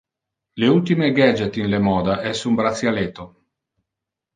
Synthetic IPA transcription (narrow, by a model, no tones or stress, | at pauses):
leult̪imeɡɛd͡ʒet̪inlemɔːd̪aʔɛsumbɾat̪sjaleːt̪o